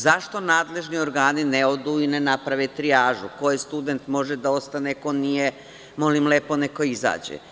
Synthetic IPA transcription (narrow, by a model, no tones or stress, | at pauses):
zaʃt̪o̞naːd̪le̞ʒnio̞ɾɡaːnineo̞d̪uːinenapɾaʋet̪ɾijaːʒuko̞jest̪ud̪e̞nt̪mo̞ʒed̪ao̞st̪aneko̞nije | mo̞limleːpo̞neko̞iza̰ːd͡ʑḛ